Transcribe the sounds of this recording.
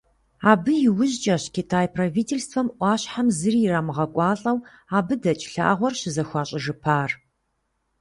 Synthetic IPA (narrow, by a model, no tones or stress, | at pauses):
aːbɨjɪwʊʑt͡ʃʼɐɕkʰʲitʰaːjpʰraviːtʰelstʰfɐmʔʷɑːɕħamzɨriɪraːmɨʁɐkʷʼɑːɬʼɐw | aːbɨdɐt͡ʃʼɬa̰ːʁʷɔrɕɪzɐxʷɑːɕʼɪʒɨpʰaːr